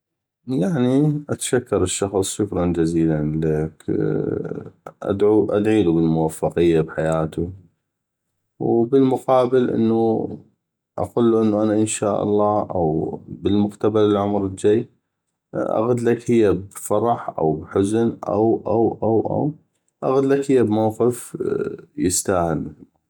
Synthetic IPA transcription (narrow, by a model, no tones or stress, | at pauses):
jaʕniʔat̪ḁʃakːɑɾˤəʃːɑxsˤʃʊkɾˤɑnd͡ʒaziːlanlak | ʔa̰d̪ʕuʔad̪ʕiːlubəlmʊwafːɑqəjːabħajaːt̪u | wbəlmʊqɑːbəlʔə̰nːu | ʔa̰quːlːuʔənːuʔanaʔənʃaːʔɑ̰lˤːɑːʔawbəlmʊqt̪abalɪlʕʊmɾld͡ʒajː | ʔa̰ɣad̪lakhəjːabfɑɾˤɑħʔa̰wbħʊznʔa̰wʔawʔawʔa̰w | ʔaɣad̪lakhəjːabmawqɪf | jəst̪aːhɪl